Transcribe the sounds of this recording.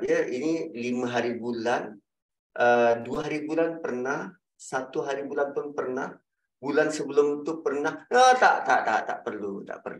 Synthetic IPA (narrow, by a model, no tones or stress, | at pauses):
diəʔinilimãɦaɾibulan | əduaɦaɾibulanpərnah | sat̪uɦaɾibulanpʊnpərnah | bulansəbəlʊmt̪upərnahət̪aʔt̪at̪aʔt̪a̰ʔpərlut̪a̰ʔpə̰rlu